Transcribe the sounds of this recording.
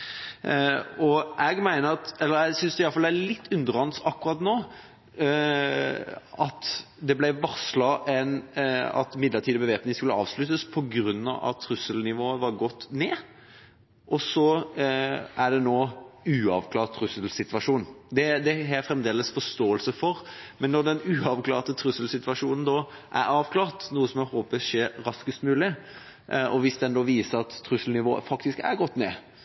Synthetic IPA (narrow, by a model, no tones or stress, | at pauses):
ɔʔɛɡmæɪnəɾɑt̪ɛlːəɾɛsʏnsd̪ɛɪɑləfɑlɛælɪt̪ːʉnd̪əɾɑnsɑkːʉɾɑt̪noː | ɑt̪ | d̪ɛblæɪʋɑslɑɾɛnɑ̰t̪mɪd̪ləʈʰiːd̪əbəʋeːpnɪŋskʉlːəɑ̰ːʋslʉt̪ːəspʰɔɡɾʉnːɑ̰ʋɑ̰t̪ʰːɾʉsəlnɪʋoːəʋɑɾɡɔt̪ːneː | ʔɔsɔ | æɖɛnoːʉːɑʋkʰlɑːʁt̪t̪ʰːɾʉsəlsɪt̪ʋɑʂuːnd̪ɛd̪ɛɦɛɾfɾɛmd̪eːləsfɔʂt̪oːəlsəfɔɾmɛnːɔɖ̪ɛnʉːɑʋkʰlɑ̰ːɾt̪ət̪ʰɾʉsəlsɪt̪ʋɑʂuːnn̩d̪ɔʔæɾɑːʋkʰlɑːɾt̪nuːəsɔmɛhoːpəʂeːɾɾɑskəst̪mʉːlɪ | ɔʋɪsd̪ɛnd̪ɔʋiːsəɾɑt̪ʰːɾʉsəlnɪʋo̰ːə̰fɑkt̪ɪskæ̰ɾɡɔt̪ːneː